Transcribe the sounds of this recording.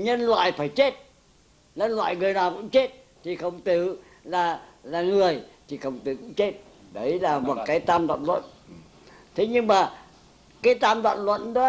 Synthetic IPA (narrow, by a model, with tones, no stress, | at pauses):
ɲə˧nlwa̰ː˧˨jfaː˧˩jt͡ɕe˦˥t̚ | ɲə˧nlwa̰ː˧˨jŋɨ˨˩əjnaː˨˩wkʊ̰˧˥ŋ͡mt͡ɕe˦˥t̚ | t̪ʰi˨˩xə˨˩wŋ͡mt̪ɨ˧˨ | laː˨˩laː˨˩ŋɨ˨˩əjt̪ʰi˨˩xə˨˩wŋ͡mt̪ɨ̰˨kʊ̰˧˥ŋ͡mt͡ɕe˦˥t̚ | ɗə˨˦jlaː˨˩mo˨˩t̚kaː˨˦jt̪aː˧mɗa̰ː˧˨nlwə̰˧˨n | t̪ʰe˨˦ɲɨ˧ŋmaː˨˩ | kaː˨˦jt̪aː˧mɗwa̰ː˧˨nlwə̰˧˨nɗɔ˨˦